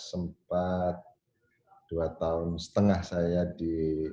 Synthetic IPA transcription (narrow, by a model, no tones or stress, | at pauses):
səmpat̪̚ | d̥uat̪aʊnsə̥t̪əŋahsajadi